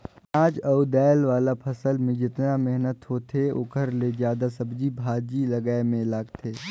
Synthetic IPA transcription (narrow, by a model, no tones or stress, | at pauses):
aːd͡ʒɐud̪ɛːlʋaːlapʰɐsəlmẽd͡ʒɪt̪namɛɦnət̪ɦot̪ʰeʊ̰kəɾlezjaːd̪asɐbd͡ʒibʱaːd͡ʒilɐɡaːemẽlaːɡt̪ʰeː